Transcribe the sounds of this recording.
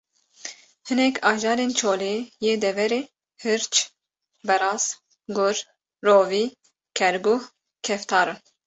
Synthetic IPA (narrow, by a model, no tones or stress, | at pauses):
hɨnɛkʰɑːʒɑːɾeːnt͡ʃʰoːleːjeːd̪ɛvɛɾeː | hɨɾt͡ʃ | bɛɾɑːz | ɡʊɾ | ɾoːviː | kʰɛɾɡuh | kʲʰɛft̪ʰɑːɾɨ